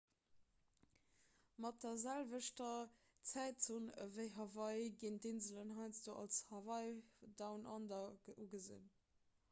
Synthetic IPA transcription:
mɑt̚deɐzælvəʃtɐ | t͡sæɪtunəveɪɦɑvɑɪɡiːntinzələnɦɑɪt͡sd̥oːʔɑ̰lshɑvɑɪdɑʊnʔɑndɐʔuɡəzḭn

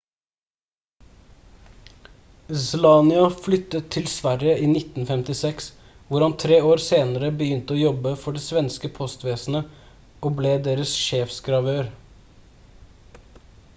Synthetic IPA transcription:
slɑːnɪɑflʏt̪ət̪ʰːɪlsʋæɾjəʔiːnɪt̪n̩fɛmt̪ɪsɛks | ʋʊɾhɑnt̪ʰɾeːoːɾseːnəɾəbəjʏnt̪əoːjɔbəfɔɖeːsʋɛnskəpʰɔst̪ʋeːsn̩ə | oːbleːd̪eːɾəsʃeːfsɡɾɑʋøːɾ

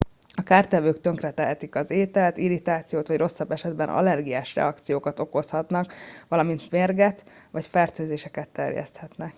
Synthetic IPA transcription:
ɒkaːrt̪ɛvøːkt̪ø̞ŋkrɛt̪ɛɦɛt̪ikɒzeːt̪ɛlt̪iɾit̪aːt̪sijoːt̪ʋɒɟro̞sːɒbːɛʃɛd̪bɛnʔɒ̰lɛrɡijaːʃrɛ̰ɒkt̪sijoːkɒt̪o̞ko̞shɒt̪nɒkʋɒlɒmint̪meːrɡɛt̪ | ʋɒcfɛrt̪øːzeːʃɛkɛt̪ːɛrjɛ̰st̪hɛt̪nɛk

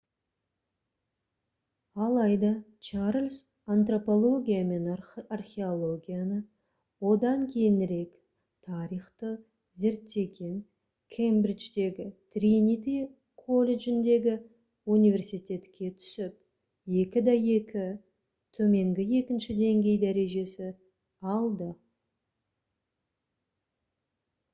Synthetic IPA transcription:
ɑlˠɑjd̪ɑt͡ʃʰaɾlʲs | ant̪ro̞po̞lˠo̞ɡʲijame̞narχʲe̞o̞lˠo̞ɡʲijanə | wo̞d̪ɑŋkʲʰe̞jɪnɾe̞k | t̪ʰɑɾijχt̪ə | ze̞ɾt̪ːe̞ɡʲe̞n | kʲʰejmbɾit͡ʃd̪e̞ɡʲɪt̪rʲinit̪i | kʰo̞lʲe̞ʒɪnd̪e̞ɡʲɪ | unijvʲe̞rsijt̪e̞t̪kʲʰːe̞t̪ʰʏ̥sɪp̚ | je̞kʲɪd̪ɑje̞kʲɪ | t̪ʰɵme̞ŋɡʲɪje̞kʲɪnʃɪd̪e̞ŋɡʲe̞jd̪æɾe̞ʒe̞sɪ | ɑlˠd̪ə

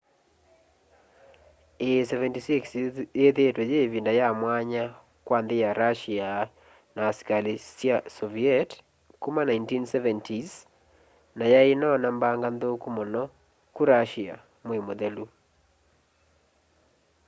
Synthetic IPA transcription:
esɛvɛntisiksjeðetwɛjevindajamwaɲa | kwanðejaɾaʃia | nasi̥kalisiasɔviɛt | kumanaintinsɛvɛntʰiz | najaenɔnambaŋɡanðokumɔnɔ | kuɾaʃia̰ | mwemoðelu

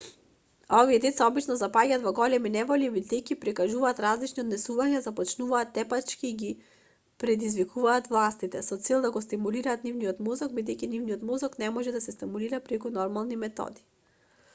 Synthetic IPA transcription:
ɔviɛd̪ɛt̪saɔbit͡ʃnɔzapaɟaːt̪vɔɡɔlɛminɛvɔlibid̪ɛjcʲipɾikaʒuvaːt̪ɾazlit͡ʃniɔd̪nɛsuvaɲazapɔt͡ʃnuvaːt̪ːɛpat͡ʃkiːɡi | pɾɛd̪izvikʰuvaːt̪vlˠast̪it̪ɛsɔt̪sɛlˠd̪aɡɔst̪imuliɾaːt̪nivnijɔt̪mɔzaɡ̚bid̪ɛjcinivnijɔt̪mɔzaknɛmɔʒɛd̪asɛst̪imuliɾapɾɛkunɔɾmalˠnimɛt̪ɔ̰d̪i̥

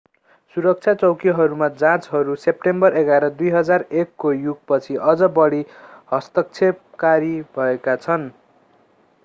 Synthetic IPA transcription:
suɾʌk̚t͡sʰjat͡sʌwkiɦʌɾumad͡zãt͡sɦʌɾusep̚ʈembʌreɡaɾʌd̪ujɦʌd͡zarekːojuk̚pʌt͡sʰiʔʌd͡zʌbʌɽihʌst̪ʌk̚t͡sʰe | kaɾibʱʌekat͡sʰʌn

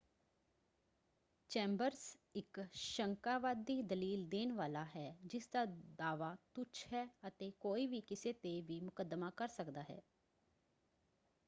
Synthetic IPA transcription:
t͡ʃɛ̃ːmbəɾsɪkʃəŋkaːʋaːd̪ːiːd̪əliːld̪eːnʋaːlaːɦɛːd͡ʒɪsd̪aːd̪aːʋaːt̪ʊt͡ʃɦɛːət̪eːkoːiːʋiːkɪseːt̪eʋiːmʊkəd̪maːkəɾsəkd̪aːɦɛ̰ː

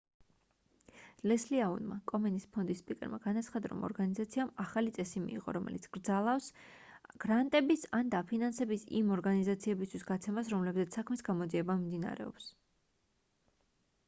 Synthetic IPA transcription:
lɛsliaṵnma̰kʼɔmɛnispʰɔnd̪ispʼikʼɛ̰ɾma̰ɡ̥anat̪sʰχad̪aɾɔ̰mɔ̰ɾɡanizat̪sʰiamaχalit̪sʼɛsimḭːʁɔ̰ɾɔmʔɛ̰lit̪sʰɡ̥ɾd̪zalˠafs | ɡ̥ɾant̪ʼɛbisand̪apʰinansɛbisḭmɔɾɡanizat̪sʰiɛbist̪ʰwisɡat̪sʰɛmasɾɔmlɛbzɛt̪ssːakʰmisɡamɔd̪ziɛbamimd̪ina̰ɾɛ̰ɔ̰ps

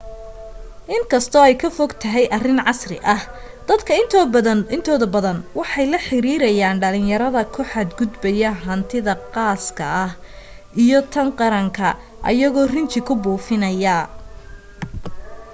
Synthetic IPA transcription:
ʔɪŋkʰɐst̪ʰɔɛjkʰɐfɔɡt̪ʰɐɦɛjʔɐrɪnʕɑsrɪ̰ʔɐh | d̪̥ɐd̪kʰɐɪnt̪ʰːɪnt̪ʰɔːðɐbɐðɐnwɑħɑjlɐħɪɾiːɾɐjaːnɖɐlɪnjɐɾɐðɐkʰʊħɑd̪ɡʊd̪bɛjɐɦɐnt̪ʰɪðɐqɑːskʰɐʔɐh | ʔijɔt̪ʰɐŋqɑɾɐŋkʰɐ | ʔɐ̰jɐɣɔːrɪnt͡ʃʰɪkʰʊbuːfɪnɐjɐ

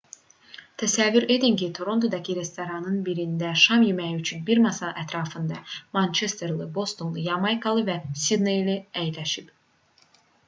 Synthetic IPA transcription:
t̪ʰæsævːyɾe̞d̪incit̪ʰoɾo̞nt̪ʰod̪ɑcʰiɾe̞st̪oɾɑnɯnbiɾind̪æʃɑmjymæjiyt͡ʃʰynbiɾmɑsɑʔæt̪ʰɾɑːfɯnd̪ɑmɑnt͡ʃʰest̪eɾlˠɯbo̞st̪o̞nlˠɯjɑmɑjkʰɑlˠɯvæsʲid̪nejliæjlæʃib̥

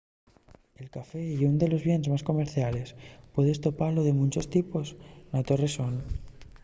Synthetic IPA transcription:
elkafeiund̪e̞lo̞zβje̞nezmasko̞meɾθjale̞spweðest̪o̞paloðe̞mũnt͡ʃost̪ipo̞snat̪o̞reson

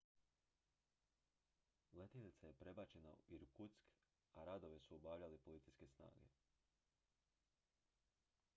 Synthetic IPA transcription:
let̪elit̪saje̞pɾe̞bat͡ɕe̞na̰uiɾukut̪sk | aɾad̪oʋesuobaːʎʲalipo̞lit̪sijske̞sna̰ːɡe̞̰

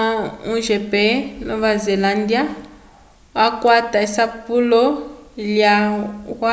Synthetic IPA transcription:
auʒɛpɛnoβazelandia | wakwataisapulɔljawa

